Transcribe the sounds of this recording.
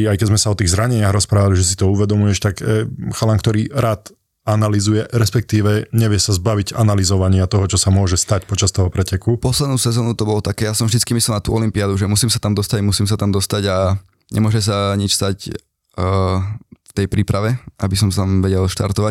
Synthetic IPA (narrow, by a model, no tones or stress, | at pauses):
ajkɛzmɛsaɔt̪iːɣzɾaɲɛɲɪaɣɾɔspɾaːʋaliʒɛsit̪ɔuʋɛd̪ɔmujɛʃt̪akɛxalaŋkt̪ɔɾiːɾaːt̪ | analizujɛɾɛspɛk̚t̪iːʋɛɲɛʋɪjɛsazbaʋiɟanalizɔʋaɲɪat̪ɔɦɔt͡ʃɔsamʊɔʒɛst̪acpɔt͡ʃast̪ɔɦɔpɾɛcɛkupɔslɛd̪nuːsɛzɔːnut̪ɔbɔlɔt̪akɛːjasɔmvʒd̪it͡sskimislɛlnat̪uːʔɔlimpiad̪uʒɛmusiːmsat̪amd̪ɔst̪aɟmusiːmsat̪amd̪ɔst̪aɟa | ɲɛ̰mʊɔʒɛs̬aɲit͡ʃst̪ac | ft̪ɛjpɾiːpɾaʋɛʔabis̬ɔmst̪amʋɛɟɛlʃt̪a̰ɾt̪ɔʋa